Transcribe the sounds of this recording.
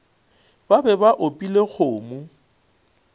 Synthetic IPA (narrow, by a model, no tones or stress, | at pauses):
babɛbaʔopʼilek͡xʰoːmu